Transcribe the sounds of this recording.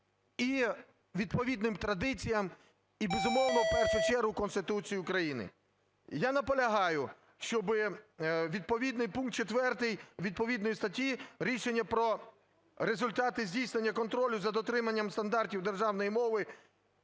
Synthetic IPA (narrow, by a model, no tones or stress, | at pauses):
i | ʋʲid̪pɔʋʲid̪nɪmt̪ɾɐd̪ɪt͡sʲijɐm | ibezʊmɔwnɔwpɛrʃʊt͡ʃɛrɦʊkɔnst̪ɪt̪ut͡sʲijiʊkɾɐjinɪ̰ | janɐpɔlʲɐɦɑjʊ | ʃt͡ʃɔbɪʋʲid̪̚pɔʋʲid̪nɪjpunk̚t̪̚t͡ʃet̪ʋɛrt̪ɪjʋʲid̪̚pɔʋʲid̪nɔjist̪ɐtʲiɾʲiʃenʲːɐpɾɔ | ɾezʊlʲt̪ɑt̪ɪzʲdʲijsnenʲːɐkɔnt̪ɾɔlʲʊzɐd̪ɔt̪ɾɪmɐnʲːɐmst̪ɐnd̪ɑrtʲiwd̪e̞rʒɑwnɔjimɔʋɪ